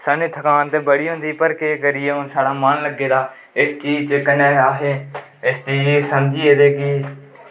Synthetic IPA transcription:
səniːt̪ʰəkaːnt̪eːbəɽiːɦʊ̃nd̪iːpəɾkeːkəɾɪeːɦʊnsaːɽaːmənləɡːeːd̪aː | ɪst͡ʃiːd͡ʒt͡ʃəkəneːaːɦeː | ɪst͡ʃiːd͡ʒsəmd͡ʒiːeːd̪eːkɪ

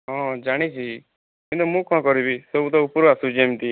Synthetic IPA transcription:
ɦɔ̃d͡ʒaːɽ̃it͡ʃʰi | kĩnt̪̬umũːkɔ̃kɔɾibisɔbut̪̬ɔupɾoasud͡ʒeːmt̪i

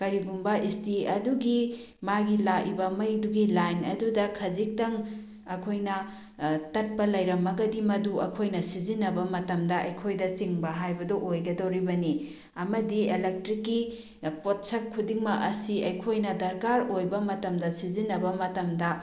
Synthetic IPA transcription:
kɐɾiɡumbɐʔistiɐduɡi | maɡilaʔibɐmɐjduɡilajnɐdudɐkʰɐzik̚tɐŋ | ɐkʰojnɐ | tɐt̚pɐlɐjɾɐmːɐɡɐdimɐduɐ̰kʰojnɐsizinːɐbɐmɐtɐmdɐʔɐjkʰojdɐt͡ʃiŋbɐɦajbɐdoʔojɡɐdɐwɾibɐni | ɐmɐdielek̚tɾikːi | pot̚sɐkʰːudiŋmɐʔɐsiɐjkʰojnɐdɐɾkaɾojbɐmɐtɐmdɐsizinːɐbɐmɐtɐmdɐ

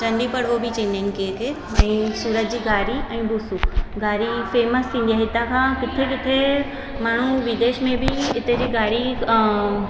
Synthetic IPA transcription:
t͡ɕɐ̃ɳɖipɐɽ̤ʋobɪt͡ɕẽːnẽnkeet̪ʰeː | ɛ̃ːsuːɾət̪̚d͡ʑiːɡaːɾiɛ̃ːbʊsuɡʱaːɾifeːməst̪ʰĩːnd̪ijaɦɪt̪akʰãːkɪt̪ʰekɪt̪ʰe | maːɳ̤̃uʋɪd̪eːʃmẽbɪɪt̪ed͡ʑiːɡaːɾi

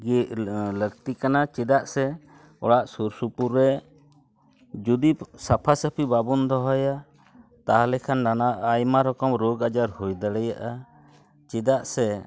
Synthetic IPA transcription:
ɡiʔləkt̪ikanat͡ʃɛd̪aʔsɛ | ɔ̰ɽaʔsuɾsupuɾːɛ | d͡ʒud̪ipsapʰasəpʰibabund̪ɔɦɔja | t̪aɦalɛkʰanːanaʔajmaɾɔkɔmɾoɡad͡ʒaɾhujd̪əɽɛjaʔa | t͡ʃɛd̪aʔsɛ

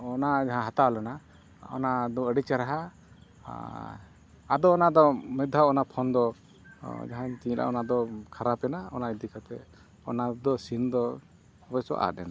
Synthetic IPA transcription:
ɔnad͡ʒaɦãɦat̪aalɛna | ɔ̰nad̪ɔəɖit͡ʃaɾaɦa | ad̪ɔːnad̪ɔmɛd̪ʱaɔnapʰɔnd̪ɔ | d͡ʒaɦãɲt̪iɲlʔa̰ʔɔnad̪ɔkʰaɾapɛnaɔ̰naid̪ikʰat̪ɛ | ɔ̰nad̪ɔsind̪ɔ | bɔsɔ̰ʔa̰ɛna

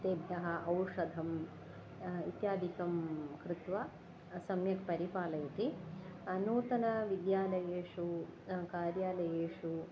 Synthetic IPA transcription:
t̪eːbʱjɐɦɐʔɐwʂɐd̪ʱɐm | ḭt̪jaːd̪ʱikɐmkɾɪt̪ʋɐ | sɐmjɐkpɐɾipaːlɐjɐt̪iɐnuːt̪ɐnɐʋid̪jaːlɐjeːʂukaːɾjaːlɐjeːʂu

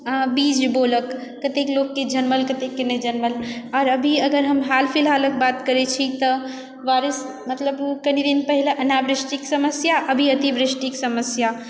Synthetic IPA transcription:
bid͡ʒboləkː | ət̪eklokːed͡ʒənməlkət̪ekːenəd͡ʒənməlɔːɾəbʱiəɡəɾɦəmɦalpʰilɦalək̚bat̪kəɾet͡ʃʰit̪ɔ | ʋaɾis | mət̪ləbkənid̪inpəɦilʔənabɾɪsʈiksəməsjaʔəbʱiət̪ibɾɪsʈiksəməsja

